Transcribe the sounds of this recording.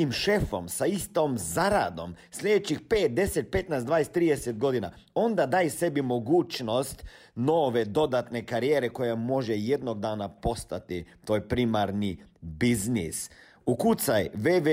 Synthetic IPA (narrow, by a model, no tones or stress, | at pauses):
imʃe̞fo̞̰msaist̪omzaɾa̰d̪o̞m | sʎʲed̪et͡ɕixpeːt̪̚d̪e̞set̪̚pe̞t̪najsd̪ʋaːjest̪ːɾiːd̪eset̪̚ɡo̞d̪ina̰ | o̞nd̪ad̪aːjse̞bimo̞ɡuːt͡ʃno̞st̪ | noːʋe̞d̪o̞d̪at̪ne̞kaɾijeːɾeko̞jamo̞ʒeje̞d̪noɡ̚d̪aːnapo̞st̪at̪it̪o̞ːjepɾimaɾnibiznḭs | ukut̪sajʋeʋe